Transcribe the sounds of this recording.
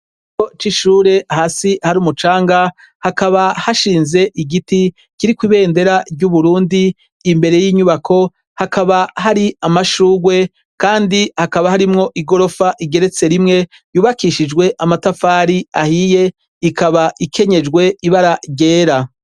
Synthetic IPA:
it͡ʃot͡ʃiʃuːɾe̞ahasihaɾiuːmut͡ʃaːŋɡa | hakaβahaʃiːnze̞ʔiɡiti | kiɾikwiβe̞ːnde̞ɾaɾɟuβuɾuːndiː | mbe̞ɾe̞jiːɲuβakʰo̞ | hakaβaɦaɾiamaʃuːɡwe̞ | kaːndihakaβahaɾimŋo̞ʔiɡo̞ɾo̞faʔiɡe̞ɾe̞t͡se̞ɾimŋe̞ | juːβakiʃid͡ʒɡwe̞ʔamatafaːɾiahije̞ | ikʰaβaʔikʰe̞ɲe̞d͡ʒɡwe̞iβaɾaɟe̞ːɾa

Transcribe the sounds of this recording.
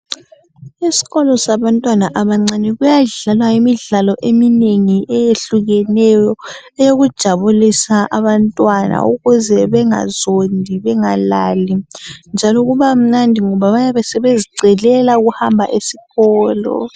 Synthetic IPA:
isi̥ɣɔlɔsaβantʼwanaʔaβaŋ͡ǀaniɣujaɮalwajimiɮalɔʔemineŋiʔɛjeɬuɣɛnɛjɔ | ɛjoɣud̥ʒ̥ʱaβulisaʔaβantʼwana̰ṵɣuzɛβɛŋa̰zondʱiβɛŋalaːlind͡ʒʱalɔɣuβam̩nandʱiŋɔβaβajaβɛsɛβeziɡ͡ǀʱɛlɛlauɣuhambʱaʔesiɣɔːlɔ̰

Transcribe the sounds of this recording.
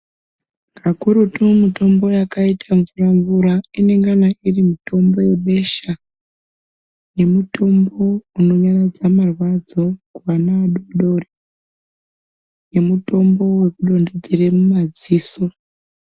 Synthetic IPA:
kʰakuɾutumito̞mbo̞jakaitʰaɱvuraɱvuɾaine̞ŋɡanaʔirimuto̞mbo̞je̞ɓe̞ʃa | je̞muto̞mbo̞uno̞ɲaɲad͡zamarwad͡zo̞kuanaːɗoɗori | je̞muto̞mbo̞we̞kuɗo̞nde̞d͡zeremumad͡ziːso̞

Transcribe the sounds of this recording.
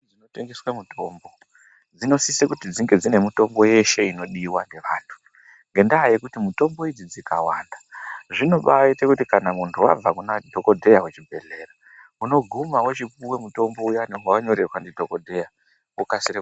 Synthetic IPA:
d͡zinoteŋɡeswamutʰo̞mbo̞ | d͡zino̞sisekutid͡ziŋɡe̞d͡zine̞mito̞mbo̞je̞ʃe̞ino̞ɗiwaneʋaːntʰu̥ | ŋɡe̞ndaːjekutimuto̞mbo̞id͡zid͡zika̰waːndaʐino̞ɓaitekutikanamuntʰuwa̰b͡vakunadʱo̞ko̞dʱe̞jawet͡ʃibʱe̞ɮe̞ra | uno̞ɡʱumawet͡ʃipuwe̞muto̞mbo̞ujaneɦawaɲo̞ɾerwandidʱo̞kodʱe̞ja | ukasiɾe

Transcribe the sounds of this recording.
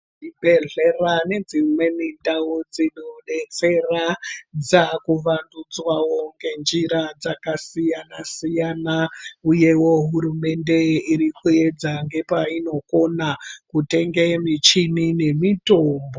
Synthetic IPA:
ibʱeɮerane̞d͡zimwe̞mindaud͡zinoɗe̞t͡se̞rad͡zakuʋandud͡zwawoŋɡe̞nd͡ʒiɾad͡zakasijanasijanauje̞wo̞ɦuɾume̞nde̞iɾikue̞d͡zaŋɡe̞paino̞ko̞nakute̞ŋɡemit͡ʃinine̞mito̞ːmbo

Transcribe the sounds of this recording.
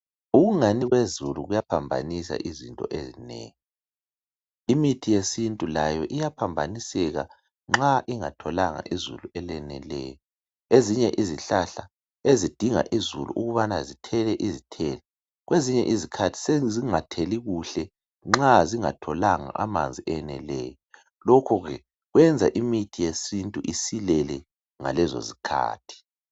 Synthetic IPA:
uɣuŋaniɣwezuluɣujapʰambʱa̰nisa̰ʔizintʼɔ̰ʔezinɛ̰ːŋi | imitʰijesintʼulajɔʔijapʰambʱanisɛɣa̰ | ŋ͡ǁaʔiŋatʰɔlaŋa̰ʔizuluɛlɛnɛ̰lɛ̰ːjɔ | eziɲɛʔiziɬaɬa | ezid̥ʱiŋa̰ʔizulṵʔuɣuβanazitʰɛlɛʔizitʰɛːlɛ | ɣweziɲɛʔizikʰatʰi̥seziŋatʰɛliɣuɬɛ | ŋ͡ǁaziŋatʰɔlaŋa̰ʔa̰ma̰nd͡zʱiɛnɛ̰lɛːjɔ | lokʰɔɣɛ | ɣwɛnd͡zʱa̰ʔimitʰijesintʼuʔisilɛlɛ | ŋa̰lɛzo̰zikʰa̰ːtʰi̥

